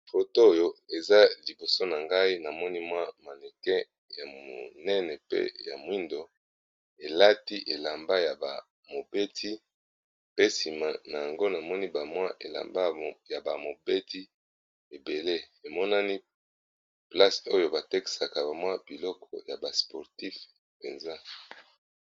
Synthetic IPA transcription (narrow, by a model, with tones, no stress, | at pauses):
fo˨to˦jo˦e˨za˦li˨bo˨so˦na˨ŋɡa˦i˦na˨mɔ˦ni˦mwa˦ma˨lɛ˨kɛ˦ | ja˨mo̰˨nɛ˦nɛ˨pḛ˦ja̰˨mwi˦ndo˨ | e˨la˦ti˦ʔe˨la˨mba˦ja˨ba̰˨ | mo˨be˦tʰi˦ | pe˦si˨ma˦˨na˨ja˨ŋɡo˦na˨mɔ˦ni˦ba˨mwa˦ʔe˨la̰˨mba˦ja˨ba˨mo˨be˦ti˦ | e˨be˨le˦ | e˨mɔ˦na˦ni˦ | pla˦so˦jo˨ba˨te˦ki̥˨sa˨ka˨ba˨mwa˦b̥i˨lɔ˦kʰɔ˨ja˨ba˨spɔ˨ʁti˦f | pḛ˨nza˦